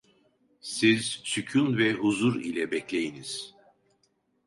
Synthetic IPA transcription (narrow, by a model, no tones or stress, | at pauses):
siz̥sycʰynvɛɦuzuɾḭlʲɛbɛclʲejiniz̥